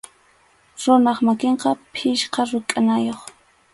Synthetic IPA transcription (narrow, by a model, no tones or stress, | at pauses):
ɾʊnɑχmakeɴqɑpʰɪʃqɑɾʊkʼanajoχ